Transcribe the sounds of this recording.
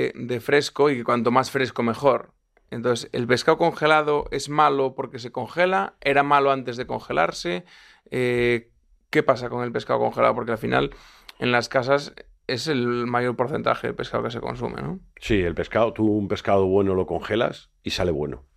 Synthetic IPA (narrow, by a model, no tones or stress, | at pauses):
d̪e̞fɾe̞skoikekwant̪o̞masfɾe̞skome̞xo̞ɾ | ent̪oθsḛlpe̞skaoko̞ŋxe̞lað̞oʔe̞zmalopo̞ɾke̞s̬e̞ko̞ŋxelae̞ɾamaloant̪e̞zð̞e̞ko̞ŋxe̞la̰ɾse | e | ke̞pasako̞ŋe̞lpe̞skaoko̞̰ŋxela̰ðop̬oɾkealfina̰l | e̞̰nlaskas̬as | e̞se̞lmaʝo̞ɾpo̞ɾθe̞nt̪a̰xeðḛlpe̞skaoke̞se̞̰ko̞̰ns̬ṵmḛnosielpe̞skaot̪uːmpe̞skað̞oβwe̞noloko̞ŋxela̰s | isaleβwe̞̰no